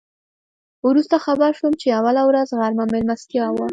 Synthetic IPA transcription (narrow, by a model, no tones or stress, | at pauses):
wɾust̪axabaɾʃumt͡ʃeawalawɾazɣaɾmamelmast̪jɑwa